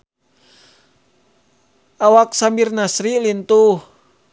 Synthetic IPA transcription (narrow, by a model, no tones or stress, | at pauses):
awak̚sambirnasɾilint̪uh